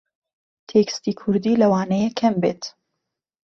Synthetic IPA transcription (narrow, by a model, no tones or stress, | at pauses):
t̪ʰekst̪iːkʰʊɾd̪iːlɐwaːnɐjekʰːɐmbḛːt̪